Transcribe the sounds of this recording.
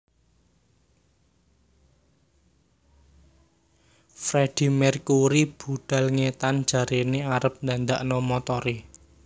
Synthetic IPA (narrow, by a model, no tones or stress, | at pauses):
fɾed̪̥i̤mɛrkuɾib̥ṳɖ̪̥ä̤lŋet̪an̥d͡ʒ̥a̤ɾeneaɾəp̚nd̪and̪aʔnɔmɔt̪ɔɾe